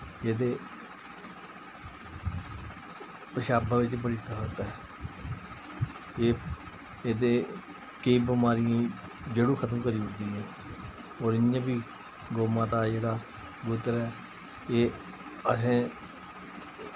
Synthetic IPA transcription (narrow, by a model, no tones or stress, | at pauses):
eːd̪eː | pəʃaːbaːʋɪt͡ʃbəɽɪt̪ːaːɦoːt̪aːɦɛː | eː | eːd̪eː | keibəmaːɾɪjãː | d͡ʒeːɽũːkʰət̪əmkəɾiːəːd̪ĩːɛ̃ː | oːɾɪãːbiː | ɡoːmãːt̪aːd͡ʒeːɽaː | ɡʊt̪əɾɛː | eː | əsẽː